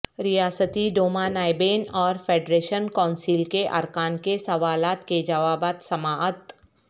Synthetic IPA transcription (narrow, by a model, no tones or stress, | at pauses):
ɾɪjaːsət̪iɖoːmanaːɪbeːnɔːɾfʰeːɖɾeːʃənkãːʊnsiːlkeʔɐ̰ɾkaːnkesɐʋaːlaːt̪ked͡ʒɐʋaːbaːt̪sɐmaːət̪